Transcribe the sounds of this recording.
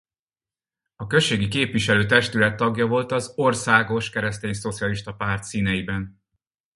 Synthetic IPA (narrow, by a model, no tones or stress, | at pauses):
ɒkø̞ʃːeːɡikeːpʋiʃɛløːt̪ɛʃt̪ylɛt̪ːɒɡjɒvo̞lt̪ɒzo̞rsaːɡo̞ʃkɛɾɛst̪eːɲso̞t̪sijɒliʃt̪ɒpaːrt̪siːnɛjibɛn